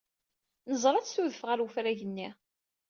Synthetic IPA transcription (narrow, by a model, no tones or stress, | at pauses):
nəzˤɾˤɑt͡sːθuðəfʁæɾwufɾæʝənːi